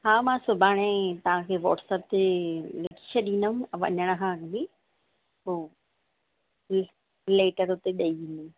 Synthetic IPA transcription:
haːmãːsʊbʱaːɽ̃ẽt̪ɐʋ̤ãkʰeːʋɔːʈsəp̚t̪elɐki̥ʃɐɗĩːnəɦũʋɐ̰ɲəɽ̃əkʰãnmi | ɦoː | leːʈəɾʊt̪eɗɐiĩːnd̪i

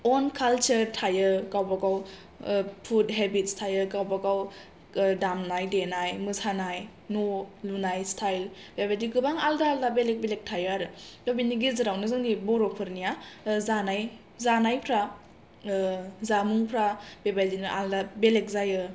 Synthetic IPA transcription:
ɔnkʰalt͡ʃəɾtʰajɯkawbaɡaw | pʰut̚ɦebit̚stʰajɯkawbaɡaw | damnajdenajmɯsanaj | nolunajstʰajl | b̥ebajdiɡɯbaŋaldaːldabelek̚belek̚tʰajɯaɾɯdobiniɡizɯɾawnɯzɯŋdibɔɾopʰɯɾnijazanaj | zanajpʰɾa | zamuŋpʰɾab̥ebajdinɯʔa̰ldabelek̚zajɯ

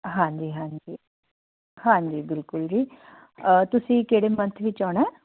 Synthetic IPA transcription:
ɦãːɲd͡ʒiːɦãːɲd͡ʒiː | hãːɲd͡ʒiːbɪlkʊld͡ʒiː | t̪ʊsĩːkeːɽeːmənt̪ʰʋɪt͡ʃaːɽ̃ɛː

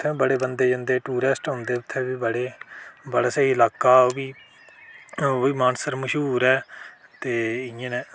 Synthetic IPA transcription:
t̪ʰːɛ̃ːbəɽeːbənd̪eːd͡ʒə̃ːnd̪eːʈuːɾɛːsʈɦʊ̃nd̪eːʊt̪ʰːẽːʋiːbəɽeːbəɽaːsəɦiɪlaːkaːoːbiː | iːmaːnsəɾməʃɦuːɾɛːt̪eːɪãnɛ̃ː

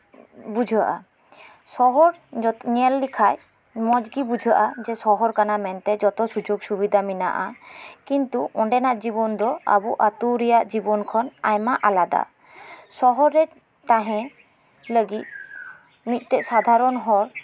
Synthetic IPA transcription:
bud͡ʒʱəʔa̰ | sɔɦɔɾɲɛlːikʰaj | mɔd͡ʒɡibud͡ʒʱəʔad͡ʒɛsɔɦɔɾkanamɛnt̪ɛd͡ʒɔt̪ɔsud͡ʒoɡsubid̪ʱamina̰ʔakint̪uɔɳɖɛnaʔd͡ʒibɔnd̪ɔa̰buʔat̪uɾɛjaʔd͡ʒibɔnkʰɔnajmaʔalad̪a̰ | sɔɦɔɾːɛ | t̪aɦɛ̃ | ləɡit̪̚ | mit̪̚ˀt̪ɛʔsad̪ʱaɾɔnɦɔɾ

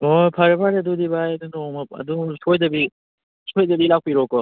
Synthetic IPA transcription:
ojpʰaɾepʰaɾɐdudibajdunɔŋmɐɐ̰dusojdɐbi | sojdɐbilak̚piɾɔkɔ

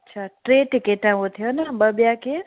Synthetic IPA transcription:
ətːt͡ʃʰaʈɾeʈikeʈãʋõt̪ʰijonabəbjake

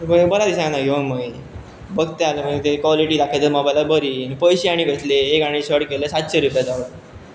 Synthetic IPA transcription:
məbəɾad̪iɕãnaioməi | bəɡt̪ealəmət̪ekʋɔliʈiːd̪akʰet̪əɾmɔbajlabʱəɾiːnpəjɕiaɽ̃iɡəsleːkaɽ̃iɕəɽkelesat̪ɕeɾupjad͡zaʋɭə

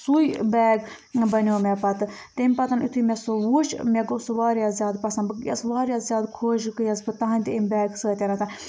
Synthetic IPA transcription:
sujbɛːɡ | bɐnʲoːmepɐt̪ɨ | t̪emʲpɐt̪ɐnit̪ʰumʲesoʋut͡ʃmʲeɡosɨʋaːɾjaːzjaːd̪pɐsɐnbɨkjɐ̰sʋaːɾʲjaːzjaːd̪kʰoːʒkɨjɐzbɨt̪ɐɦɐnʲt̪imʲbɛːɡsəːt̪ʲeɾɐt̪ʰa

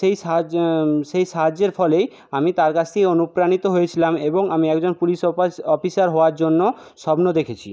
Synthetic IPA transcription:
ʃeja | ʃejʃad͡ʑeɾfʰɔlej | amit̪aɾkat͡ɕʰt̪ʰekeonupɾanit̪oɦojet͡ɕʰilameboŋamiɛkd͡ʑonpuliʃɔfisaɾɦɔoaɾd͡ʑonːo | ʃɔbnod̪ekʰet͡ɕʰḭ

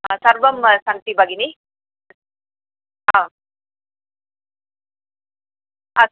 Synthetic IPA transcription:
ɦãsɐɾʋɐmsaŋt̪ibɐɡini | ɦã | a

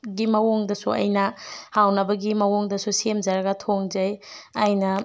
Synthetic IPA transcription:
ɡimɐwoŋdɐsuɐ̰jnɐhawnɐbɐɡimɐwoŋdɐsusemd͡ʒɐɾɐɡɐtʰoŋd͡ʒɐjɐjnɐ

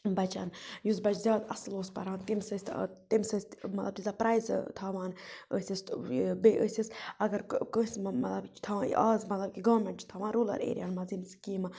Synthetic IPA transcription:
bɐt͡ʃa̰ːnjuzbɐt͡ʃʰzʲjaːd̪ɐsloːspɐ̰ɾaːnt̪imsəsʲt̪t̪imsəsʲmɐt̪lɐbt̪izɐpɾaːjzt̪ʰaːʋaːnə̰ːsʲɐst̪beʔəːsʲisɐɡɐɾkəsʲmɐt̪lɐbt͡ʃt̪ʰa̰ːaːzmɐt̪lɐb̚kiɡɐʋɾmeɳʈt͡ʃt̪ʰɐʋãːnɾuːlɐ̰ɾḛːɾʲiaːnmɐzinskiːmɐ

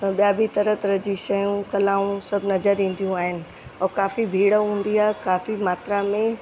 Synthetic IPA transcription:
ɓijaːbʱit̪ɐɾət̪ɾəd͡ʑiʃɐjũkɐlaːũsɐbʱɪnɐzəɾĩːn̆d̪ijũaːɦɪnɪ̆ | ɔkaːfibʱiːɽəɦũːn̆d̪iaːɦekaːfimaːt̪ɾamẽ

